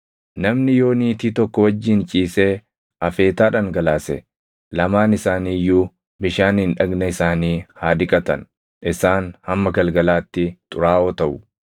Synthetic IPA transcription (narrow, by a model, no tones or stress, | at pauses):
nɐmnɪjo̞ːniːt̪iːt̪ɔkːɔwɐd͡ʒːɪnt͡ʃʼiːseː | ʔɐfe̞ːt̪aːᶑɐŋɡɐlaːsɛ̰ | lɐmaːnɪsaːniːjːuː | bɪʃaːnhɪnᶑɐɡnɐɪsaːniːhaːd̪ɪkʼɐt̪ɐ̰n | ɪsaːnhɐmːɐɡɐlɡɐlaːt̪ːɪt̪ʼʊɾaːʔoːt̪ɐʔʊ